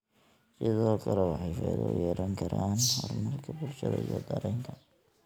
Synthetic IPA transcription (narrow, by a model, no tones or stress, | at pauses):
sɪðɔːkʰɐlɛwɑħɑjfɛːɣɔ̰jɛːɾʔɐŋkʰɐɾaːnhɔrmɐlkʰɐburʃɐðɐ̰ijɔɡɐɾɛjŋkʰɐ